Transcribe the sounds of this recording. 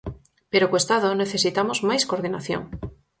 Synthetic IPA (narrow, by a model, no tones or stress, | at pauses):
peɾokwest̪aðone̞θe̞sit̪amo̞zmajsko̞ɾðinaθjo̰ŋ